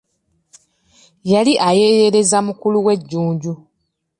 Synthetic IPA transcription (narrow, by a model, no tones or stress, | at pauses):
jaliʔaje̞je̞le̞zamukuluwe̞ɟːuːɲɟu